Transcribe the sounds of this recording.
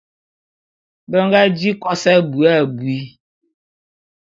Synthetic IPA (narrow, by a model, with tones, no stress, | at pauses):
bə˦ŋɡa˦d͡ʒi˦kɔ˦sɛ˦bu˨a˦˨bwi˦